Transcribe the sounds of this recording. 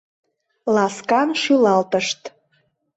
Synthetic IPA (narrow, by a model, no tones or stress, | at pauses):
lˠɑskɑnʃylɑlt̪əʃt̪